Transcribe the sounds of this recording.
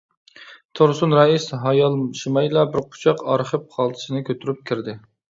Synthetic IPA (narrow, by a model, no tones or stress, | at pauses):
t̪ʰoɾsunɾɑisɦɑjɑlˠʃimɑjlˠɑbɪɾqʰʊ̥t͡ʃʰɑqɑɾχəp̚χʰɑlˠd̪ʰɨ̥ʃɨnɨkʲʰøt̪ʰyɾyp̚kʲʰɪɾd̪ɪ